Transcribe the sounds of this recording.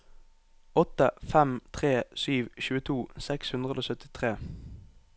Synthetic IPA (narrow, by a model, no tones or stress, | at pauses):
ɔt̪əfɛmt̪ʰʁeːsyːʋçʉːət̪ʰuːsɛkshʉnd̪ʁəd̪oːsœt̪ɪt̪ʰʁeː